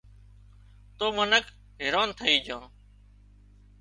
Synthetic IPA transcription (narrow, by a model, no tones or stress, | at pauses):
t̪oːmənək | ɦɪɾoːnt̪ʰəiːd͡ʒʱãː